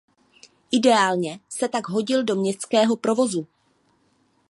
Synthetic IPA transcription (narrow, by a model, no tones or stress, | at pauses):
ʔɪdɛaːlɲɛsɛt̪aɡɦo̞ɟɪldo̞mɲɛst̪skɛːɦo̞pɾo̞vo̞zu